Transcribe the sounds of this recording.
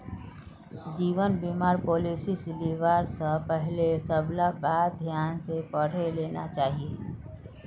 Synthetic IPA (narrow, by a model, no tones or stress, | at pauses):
d͡ʒiːʋənbiːmaːɾpoːliːsisliʋaːɾsəpɛɦlesəblabaːd̪ʱjaːnsepəɽ̤eleːna̰t͡ʃaːɦie